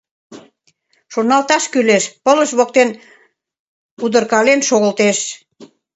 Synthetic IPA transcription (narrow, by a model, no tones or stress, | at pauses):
ʃornɑlt̪ɑʃkyleʃpə̆ləʃβok̚t̪en | ud̪ə̆rkɑlenʃoɣə̆lt̪eʃ